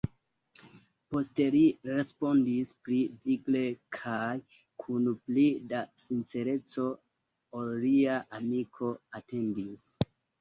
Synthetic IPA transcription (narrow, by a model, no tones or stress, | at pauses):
po̞ste̞liɾe̞spo̞ndispɾiviɡle̞kʰaj | kʰunuplidasinse̞ɾe̞t͡so̞ | olːiaʔamikʰo̞ate̞ndis